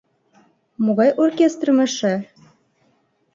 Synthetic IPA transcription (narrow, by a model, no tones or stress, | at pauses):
moɣɑjʔorkʲest̪rmɘ̆ʃɘ̆